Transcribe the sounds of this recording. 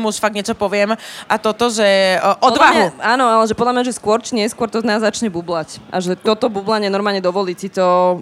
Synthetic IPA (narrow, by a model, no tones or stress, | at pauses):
muʃfaɡ̚ɲɪɛt͡ʃɔpɔʋɪɛmʔat̪ɔt̪ɔʒɛʔɔɔd̪ʋaɦuaːnɔalɛʒɛpɔd̪lamɲaʒɛskʊɔɾt͡ʃiɲɪɛskwɔɾt̪ɔznaːzːat͡ʃɲɛbublacʔa̰ʒɛt̪ɔt̪ɔbublaɲɪɛnɔɾmaːlɲɛd̪ɔʋɔliːsit̪ɔ